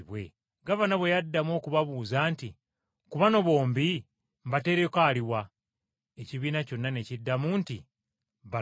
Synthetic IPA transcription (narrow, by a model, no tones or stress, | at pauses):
βwe̞̰ | ɡaβanaβwe̞jadːamwo̞ːkuβaβuːzaːnti | kuβano̞βo̞ːmbi | mbate̞ɾekaːliwa | eciβiːnaco̞nːane̞cidːamunti | βa